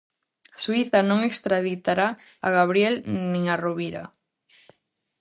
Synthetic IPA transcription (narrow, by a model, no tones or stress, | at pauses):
swiθɐnõŋekst̪ɾaðit̪aɾa | a̰ɣaβ̞ɾjelnĩŋaroβiɾa̰